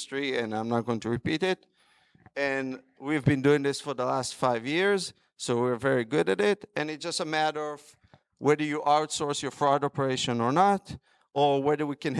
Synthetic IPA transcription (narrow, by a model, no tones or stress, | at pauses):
stɹ̥iɨ̃nãɪ̃mnət̚ɡ̥õɪ̃ŋtʰuɹɨpiɾɪt | ɨ̃n | wivbɨ̃nduɪ̃ŋðɪsfə˞ðəlæstfaɪvjɪɹz | soʊwiɹvɛɹiɡʊɾɨɾɪtɨ̃nɨt̚d̥ʒ̥ʌstəmæɾə˞ʌv | wɛðə˞jɨʔaʊtsɔɹsjə˞fɹɔdɔpə˞eɪʃɨ̃nə˞nət | ʔə˞wɛðə˞wikɨ̃n